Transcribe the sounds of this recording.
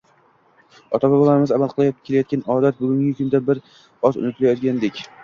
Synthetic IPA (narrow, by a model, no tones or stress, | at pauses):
ɒ̰t̪ʰababɒlˠaɾɪmɪzamalˠqʰɨlˠajkʲʰːelajɒt̪̚ɡʲanɒd̪at̪̚bʊɡʲʊŋɡʲɪkʰʊnd̪abɪɾ | ɒzʊ̰nɪt̪ʰɪlajɒt̪ɡʲand̪ekʲ